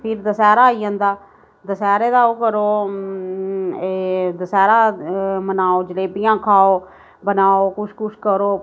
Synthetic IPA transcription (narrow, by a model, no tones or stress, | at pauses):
pʰɪɾd̪əsɛːɾaːiːãːnd̪aː | d̪əsɛːɾeːd̪aːoːkəɾoː | d̪əsɛːɾaːmənaːoːd͡ʒəleːpɪjãːkʰaːoː | bənaːoːkʊʃʰkʊt͡ʃʰkəɾoː